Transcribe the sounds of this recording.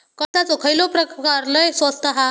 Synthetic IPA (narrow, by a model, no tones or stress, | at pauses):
kəsat͡sokʰajlɔpɾəkaɾləjsʋəst̪aɦa